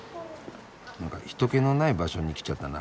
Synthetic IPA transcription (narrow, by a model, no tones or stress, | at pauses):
nãŋka̰çi̥t̪o̞keno̞naibaɕo̞ɲ̟ikʲi̥t͡ɕat̪ːana